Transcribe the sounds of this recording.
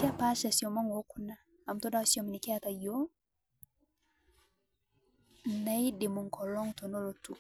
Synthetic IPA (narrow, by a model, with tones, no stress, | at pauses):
ki˦a˦pa˦ʃasi˨ɔ˨ma˦ŋo˦ku˦na˨ | a˨mtɔ˦da˦wsiɔ˨mi˨ni˨kɛ˦ata˨jo˦ | na˦jdi˨mu˨ŋkɔ˨lɔ˦ŋtɔ˨nɔ˦lɔ˨tu˦